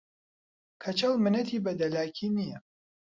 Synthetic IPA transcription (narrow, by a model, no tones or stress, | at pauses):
kʰɐt͡ʃɐlmɨnɐt̪ʰiːbɐd̪ɐlaːkʰinijɐ